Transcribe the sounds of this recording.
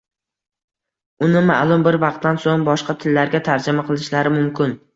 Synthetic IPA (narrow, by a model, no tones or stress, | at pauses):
ʊnɪmaʔlˠʊmbɪɾvɑq̚t̪ːansoŋbɒʃqɑt̪ʰɪlːaɾɡʲat̪ʰaɾd͡ʒɪmaqʰɨlˠɪʃlaɾɪmʊmkʲʰɪn